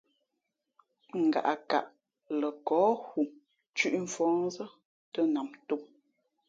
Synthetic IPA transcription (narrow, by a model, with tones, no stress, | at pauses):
ŋ̩˨ɡa̰˨ʔa˨ka̰˨ʔ | lə˨kɔː˨˦hu˨ | t͡ʃʉ˦ʔɱ̩˨fɔ̃ː˨˦n˦zə˦ | tə˦na˨mto˦m